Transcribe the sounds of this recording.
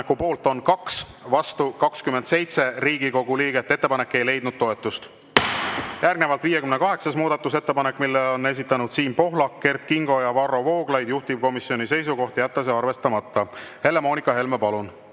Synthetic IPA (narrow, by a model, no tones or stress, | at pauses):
ekːˑupo̞ːlt̪ˑo̞nkɑks | vɑst̪ukɑkskymend̪se̞jt̪se̞riːɡ̥iko̞ɡ̥uliːɡe̞t̪ːe̞t̪ːepɑne̞kːˑe̞jle̞jd̪̥̚nud̪̥̚t̪o̞e̞t̪ːˑust̪ | jærɡne̞vɑlt̪viːje̞kymnekɑɦe̞ksɑsmuːd̪̥ɑt̪ːˑus̬e̞t̪ːe̞pɑnekːˑmilːeo̞nːe̞s̬it̪ːˑɑnud̪̥siːmpo̞ɦlɑkːe̞rt̪kiŋɡo̞jɑvɑrːo̞vo̞ːɡ̥lɑjd̪̥juht̪ivko̞misːio̞nise̞js̬uko̞ht̪ijæt̪ːˑɑs̬eɑrve̞st̪ɑmɑt̪ˑːɑhe̞le̞mo̞ːnikːˑɑɦe̞lmepɑlun